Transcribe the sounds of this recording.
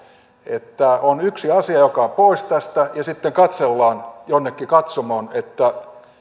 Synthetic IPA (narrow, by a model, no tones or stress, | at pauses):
et̪ːæonyksiɑsiɑjokɑpoist̪æst̪æjɑsit̪ːeŋkɑt̪selːɑːnjonːekːikɑt̪somoːnet̪ːæ